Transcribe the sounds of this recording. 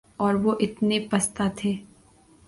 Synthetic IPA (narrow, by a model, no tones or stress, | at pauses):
ɔːɾʋoʔɪt̪nepɐst̪at̪ʰeː